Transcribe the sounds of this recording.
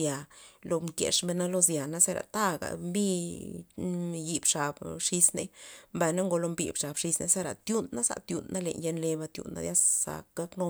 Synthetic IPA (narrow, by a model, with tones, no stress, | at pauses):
ja˨lo˧mkḛ˨ʂmbe˧na˦lo˧zja˨na˦se˦ɾa̰˨t̪a˦ɡa̰˨mbi˦ | ji˧bʂa˨bʂi˧snḛ˧mba˧jna˦ŋɡo˧lo˧mbḭ˨bʂa˨bʂi˧snḛ˧se˧ɾa˨t̪ju˦nːa˦sa̰˨t̪ju˨nːa˦lḛ˨nje˧nle˧ba˧t̪jṵ˨nːʔa̰˦d̪ja˦sːa̰˧kɡ̥a˦kno˧